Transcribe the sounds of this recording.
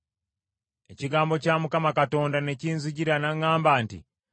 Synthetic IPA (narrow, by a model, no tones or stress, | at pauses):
e̞ciɡaːmbo̞caːmukamakato̞ːndane̞ciːnziɟiɾanaŋːaːmbaːntḭ